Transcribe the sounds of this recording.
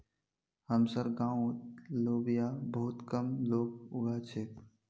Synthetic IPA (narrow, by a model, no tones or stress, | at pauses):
həmsəɾɡãːõloːbijabəɦʊt̪kəmloːɡ̚ʊɡat͡ʃʰeː